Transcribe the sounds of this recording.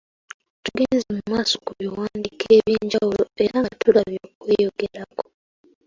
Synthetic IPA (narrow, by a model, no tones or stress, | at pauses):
tuɡeːnzemumaːso̥kuβiwaːndikʰeːβjiːɲɟawuloe̞ɾatulaβjoːkwejoɡe̞ɾako̥